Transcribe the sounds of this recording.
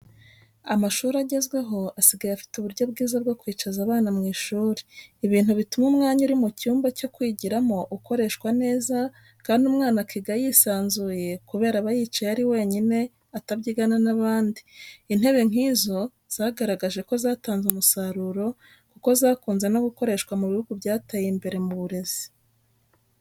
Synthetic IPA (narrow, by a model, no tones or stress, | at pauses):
amaʃuːɾaɟe̞zɡwe̞ɦo̞asiɡajeafi̥tuβuɾɟo̞b̚ɡiːzab̚ɡo̞kwiːt͡ʃazaβaːnamŋiːʃuːɾeiβiːn̥huβitumumŋaːɲuɾimucuːmbaco̞kwiːɟiɾamo̞ʔuko̞ɾe̞ːʃkwane̞ːza | kaːndumŋaːnakiɡajisaːnzuːje̞kuβe̞ːɾaβajiːt͡ʃajaɾiwe̞ːɲine̞ | atabɟiɡananaβaːndiːn̥he̞βe̞ŋ̥iːzo̞ | z̥aːɡaɾaɡaʒe̞ko̞zaːtaːnzumusaɾuɾo̞ | kuko̞zakuːnze̞no̞ɡuko̞ɾe̞ʃkwamuβihuɡubjaːtajimbe̞ɾe̞muβuɾe̞z̥i̥